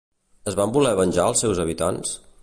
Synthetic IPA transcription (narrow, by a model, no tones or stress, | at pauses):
əzβambulɛβənʲʒaəlˠsːɛwzəβ̞it̪ans